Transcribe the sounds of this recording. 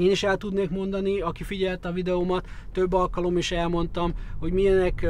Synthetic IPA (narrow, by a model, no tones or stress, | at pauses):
eːniʃɛlt̪ud̪neːkmo̞nd̪ɒniɒkifiɟɛlt̪ɒvid̪ɛomɒt̪ːø̞bːɒlkɒlo̞miʃɛlmo̞nt̪ɒmho̞ɟmiɛnɛk